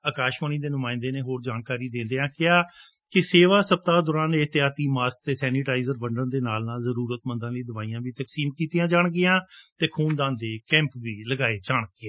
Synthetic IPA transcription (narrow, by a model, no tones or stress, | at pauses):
aːkaːʃʋəːniːd̪eːnʊmãːɪ̃nd̪eːneːɦoːɾd͡ʒaːnkaːɾiːd̪ẽːnd̪eãːkɪaː | kɪseːʋaːsəp̚t̪aːd̪ɔːɾãːnet̪ɪjaːt̪iːmaːsk̚t̪eːsɛːniːʈaːɪzəɾʋəɳɖənd̪eːnaːlnaːlzəɾuːɾət̪mə̃nd̪ãːləiːd̪əʋaːijãːbiːt̪əksiːmkiːt̪ijãːd͡ʒaːɳɡɪjãːt̪eːkʰuːnd̪ãːnd̪eːkɛ̃ːmpʋiːləɡaːeːt͡ʃaːɳɡɪɛ̃ː